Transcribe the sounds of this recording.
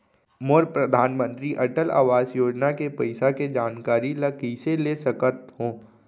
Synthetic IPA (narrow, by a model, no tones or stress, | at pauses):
moːɾpɾɐd̪ʱaːnmə̃nt̪ɾiʔɐʈəla̰ːʋaːzjoːd͡ʒnakepɐɪsaked͡ʒaːnkaːɾilɐkiseleːsəkət̪ɦõː